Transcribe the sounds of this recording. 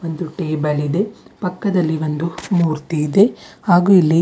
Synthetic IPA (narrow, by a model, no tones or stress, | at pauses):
ʋo̞nd̪uʈeːbɐlid̪e̞pɐkːɐd̪ɐlːiʋo̞nd̪umuːɾt̪iːd̪e̞haːɡuːilːi